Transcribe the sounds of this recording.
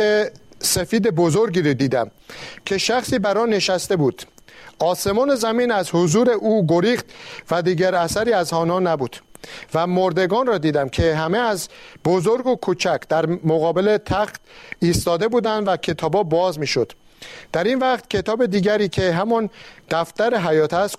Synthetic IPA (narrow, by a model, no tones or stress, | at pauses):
esefiːd̪e̞bozoɾɡiːɾd̪iːd̪æmcʰe̞ʃæxsiːbæɾɒːne̞ʃæst̪e̞buːd̪̥ | ʔɒːse̞mɒːne̞zæmiːnæzhozuːɾe̞ʔuːɡoɾiːxt̪væd̪iːɡæɾæsæɾiːæzhɒːnɒːnæbuːd̪̥væmoɾd̪e̞ɡɒːnrɒːd̪iːd̪æmcʰe̞ɦæme̞æzbozoɾɡokʰuːt͡ʃʰækʰd̪̥æɾmoɣɒːbele̞t̪ʰæχt̪iːst̪ɒːd̪e̞buːd̪ænd̪væcʰe̞t̪ʰɒːbɒːbɒːzmiːʃo̞d̪̥ | d̪̥æɾiːnvæχt̪cʰe̞t̪ʰɒːbe̞d̪iːɟæɾiːcʰe̞ɦæmɒnd̪̥æft̪æɾeɦæjɒːt̪ʰæst̪